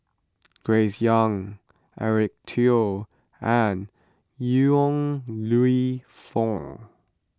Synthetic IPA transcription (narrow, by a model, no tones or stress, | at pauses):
ɡ̥ɹeɪsjʌ̃ŋ | ʔɛɹɪk̚tʰi | ə̃n | juɔ̃ŋluifɔ̃ŋ